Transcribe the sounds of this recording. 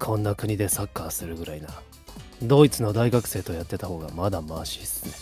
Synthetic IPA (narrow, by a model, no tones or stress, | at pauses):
kʰõ̞nːakɯ̟ɲ̟id̪e̞sakːasɨɾɯ̟ɡɯ̟ɾaina | d̪o̞ːit͡sɨno̞d̪aiɡakɯ̟̥se̞ːt̪o̞jat̪ːe̞t̪aho̞ːɡa̰mad̪amaːɕiːsɨɨ̥ne